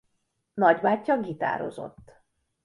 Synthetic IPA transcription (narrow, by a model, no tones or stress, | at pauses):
nɒɟbaːcːɒɡit̪a̰ːɾo̞̰zo̞̰t̪ː